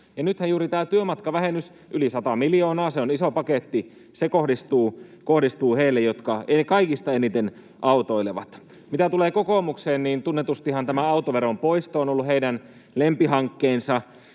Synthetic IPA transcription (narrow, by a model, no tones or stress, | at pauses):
jɑnyt̪hæjuːɾit̪æːt̪yømɑt̪kɑʋæɦenys | ʔylisɑt̪ɑmiljoːnɑːseonisopɑket̪ːi | sekohdist̪uːkohdist̪uːheilːejot̪kɑekɑikist̪ɑenit̪en | ʔɑut̪oileʋɑ̰t̪ | mit̪æt̪uleːkokoˑmukseːnniːnt̪unːet̪ust̪ihɑnt̪æmæɑut̪oʋeɾompoist̪oːonolːuheidæn | lempiɦɑŋkːeːnsɑ